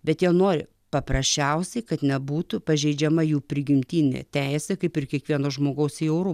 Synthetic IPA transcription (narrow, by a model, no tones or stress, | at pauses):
bʲɛt̪jiɛnoːɾʲɪ | pɐpɾɐsʲt͡ʃʲɛʊsʲɛɪkɐt̪nʲɛbuːt̪ʊpɐʒʲɛɪd͡ʒʲɛmɐjuːpʲɾʲɪɡʲɪmʲt̪ʲiːnʲḛt̪ʲæɪsʲɛkɐɪpɪɾkʲiɛkʋʲiɛnoːʒmoːɡɐʊsiɛʊɾʊ